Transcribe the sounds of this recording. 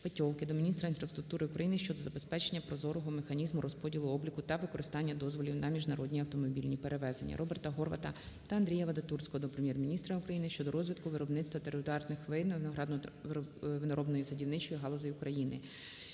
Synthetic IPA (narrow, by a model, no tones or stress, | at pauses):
pɐtʲɔwkɪd̪ɔmʲinʲist̪ɾɐinfɾɐst̪ɾʊkt̪uɾɪʊkɾɐjinɪʃt͡ʃɔd̪ɔzɐbe̞spɛt͡ʃe̞nʲːɐpɾɔzɔɾɔɦɔmexɐnʲizmʊɾʔɔspɔdʲilˠʊɔblʲikʊt̪ɐʋɪkɔɾɪst̪ɑnʲːɐd̪ɔzʋɔlʲiwnɐmʲiʒnɐɾɔd̪ʲnʲiɐwt̪ɔmɔbʲilʲnʲipeɾeʋɛzenʲːɐ̰ɾʔɔbert̪ɐɦɔrʋɐ̰t̪ɐ | t̪ɐɐnd̪ɾʲijɐʋɐd̪ɐt̪ursʲkɔɦɔd̪ɔpɾemʲjɛrmʲinʲist̪ɾɐʊkɾɐjinɪʃt͡ʃɔd̪ɔɾɔzʲʋʲid̪kʊʋɪɾɔbnɪtst̪ʋɐt̪eɾɪd̪ɑrnɪxʋɪnɐɦɾɑd̪n | ʋɪnɐɾɔbnɔjisɐdʲiwnɪt͡ʃɔjiɦɑlˠɔzɔjʊkɾɐjinɪ